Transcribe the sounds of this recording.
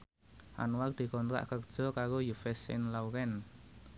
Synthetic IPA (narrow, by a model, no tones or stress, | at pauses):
ʔa̰nward̪̥i̤kɔnt̪ɾa̰ʔkərd̥ʒ̥ɔ̤kaɾojufɛsɪ̰nlawɾɛn